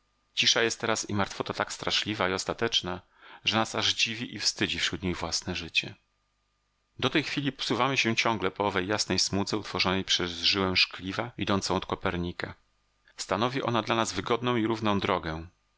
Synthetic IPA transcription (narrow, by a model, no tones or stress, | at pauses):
t͡ɕiʂajɛst̪ːɛɾasimaɾt̪fɔt̪at̪akst̪ɾʔaʂlʲivaiɔst̪at̪ɛt͡ʂna | ʐɛnasaʐd͡ʑivʲiʔifst̪ɘd͡ʑifɕɾud̪ɲejvwasnɛʐɘt͡ɕɛ | d̪ɔt̪ɛjxfʲilʲipsuvamɘɕɛt͡ɕɔ̃ŋɡlɛpɔɔvɛjːasnɛjsmud̪zɛut̪fɔʐɔnɛjpʂɛzʐɘwɛw̃ʂklʲivaid̪ɔnt̪sɔ̃w̃ɔt̪̚kɔpɛɾɲika | st̪anɔvʲiʔɔ̰nad̪lanazvɘɡɔd̪nɔ̃w̃iɾuvnɔ̃w̃d̪ɾɔɡɛ